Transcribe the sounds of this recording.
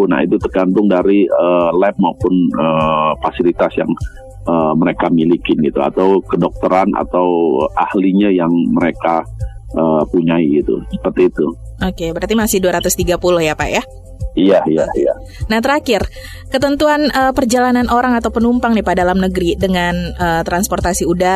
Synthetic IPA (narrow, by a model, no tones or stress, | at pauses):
na̰ḭt̪ut̪ərɡant̪ʊŋdaɾiəlɛp̚maupʊnəfasilit̪asja̰ŋ | əməɾekamilikɪnɡit̪ua̰t̪awkədɔk̚t̪əɾana̰t̪awəʔahliɲajaŋməɾekaəpuɲaiɡit̪ṵsə̥pərt̪it̪u | okebəɾart̪imasɪhduaɾat̪ʊst̪iɡapulʊhjapaja | ijajaja̰ | naht̪əɾakɪr | kət̪ənt̪uanəpərd͡ʒalananoɾaŋat̪awpənumpaŋnipadalamnəɡɾidəŋanət̪ɾansport̪asiuda